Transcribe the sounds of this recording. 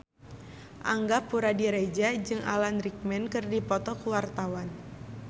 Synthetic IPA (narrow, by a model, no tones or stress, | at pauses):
ʔa̰ŋɡapuɾadiɾed͡ʒad͡ʒɨŋʔa̰lanrik̚mɛnkɨrdipɔt̪ɔkuwart̪awan